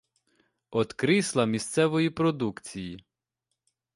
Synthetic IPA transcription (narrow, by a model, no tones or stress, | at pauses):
ɔt̪kɾɪslˠɐmʲist̪sɛʋɔjipɾɔd̪ukt͡sʲiji